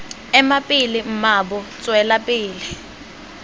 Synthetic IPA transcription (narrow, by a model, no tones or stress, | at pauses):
ɛmapʼilɪm̩maɓɔt͡sʼwɛlapʼiːlɪ